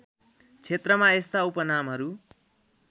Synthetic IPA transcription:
t͡sʰet̪rʌmaest̪aupʌnamɦʌɾu

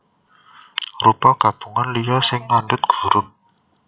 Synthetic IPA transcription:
rupɔɡ̥ab̥ṳŋanlijɔsɪŋlandʊt̪̚ɡ̥u̥̤ɾʊn

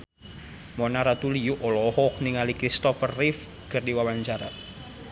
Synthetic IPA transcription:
mɔnaɾat̪ulijuʔɔlɔhɔk̚niŋalikɾist̪ɔfərːif | kərdiwawaɲt͡ʃaɾa̰

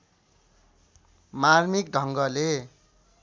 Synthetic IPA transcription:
marmikɖʱʌŋɡʌle

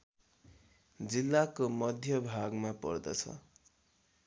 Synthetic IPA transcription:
d͡zilːakomʌd̪ʱjʌbʱaɡmapʌ̰rd̪ʌ̰t͡sʰʌ̰

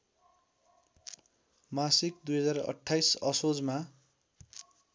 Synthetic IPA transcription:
masik̚d̪ujɦʌd͡zarʌ̰ʈʰːajsʌsod͡zma

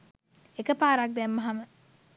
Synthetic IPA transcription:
ekəpaːɾak̚d̪ɛmːaɦamə

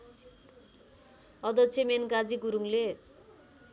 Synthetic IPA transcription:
ʌd̪ʌt͡sʰemenɡad͡ziɡuɾuŋle

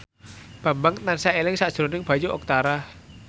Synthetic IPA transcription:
b̥a̤mbaŋnansaelɪŋsaʔd̥ʒ̥ɾonɪŋb̥a̤juʔɔk̚t̪aɾa

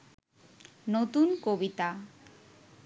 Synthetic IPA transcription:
not̪unkobit̪a

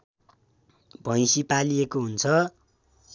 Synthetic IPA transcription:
bʱʌj̃sipaliekoɦunt͡sʰʌ

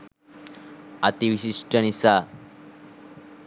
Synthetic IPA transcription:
at̪iʋiɕiʂʈənisa

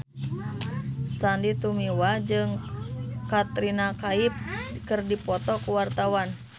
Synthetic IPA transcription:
sandit̪umiwad͡ʒɨŋ | kat̪ɾinakaip̚kɨrdipɔt̪ɔkuwart̪awan

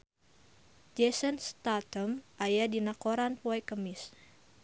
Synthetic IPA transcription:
d͡ʒɛsənst̪at̪əmʔajadinakoɾanpoɛkəmɪs

